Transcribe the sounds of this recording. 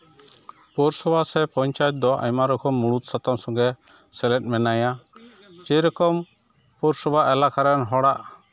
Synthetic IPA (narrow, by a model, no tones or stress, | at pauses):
pɔɾsɔbʱasɛpɔɲt͡ʃajɛt̪̚d̪ɔʔa̰jmaɾɔkʰɔmːuɽut̪̚sat̪amsɔŋɡɛ | sɛlɛt̚ˀmɛnaja | d͡ʒɛɾɔkɔm | pɔɾsɔbʱaʔɛlakaɾɛnɦɔɽaʔ